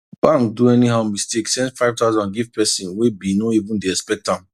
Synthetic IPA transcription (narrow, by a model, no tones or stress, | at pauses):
b̥ãŋk̚duɛniɦammisteksɛ̃ndfaɪvtaʊzɔ̃nɡivpɛsĩnwebinoivũndeɛspɛk̚tãm